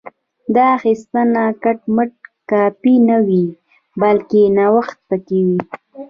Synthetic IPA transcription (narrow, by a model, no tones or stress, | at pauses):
d̪ɑxist̪anakaʈməʈ̚kɑpinawi | balkenawaxt̪̚pakiwi